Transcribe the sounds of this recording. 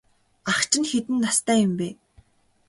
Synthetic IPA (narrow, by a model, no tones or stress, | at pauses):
aχt͡ɕɪ̆nxet̪ɘ̆nːast̪ʰæːjʊmpeː